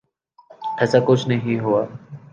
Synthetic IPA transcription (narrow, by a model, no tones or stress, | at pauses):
ɛːsakʊt͡ʃʰnɐɦĩɦuaː